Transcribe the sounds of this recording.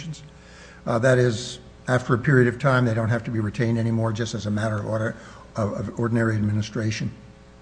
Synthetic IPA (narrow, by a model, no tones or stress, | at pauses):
n̩z̥ | ðɨɾɪz | æftə˞ɨpʰɪɹiɨɾʌv̥tʰãɪ̃mðeɪɾõʊ̃ntɦæftɨbiɹitʰẽɪ̃ndɛnimɔɹd͡ʒʌstɨzɨmæɾə˞ʌv | ʌvʌvɔɹdⁿn̩ɛɹiɨd̚mɪnɨstɹ̥eɪʃɨ̃n